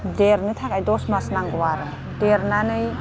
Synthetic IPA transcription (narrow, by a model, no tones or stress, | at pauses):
deɾnɯtʰakajdɔsmasnaŋɡɔwaɾɯ | d̥eɾnanɯj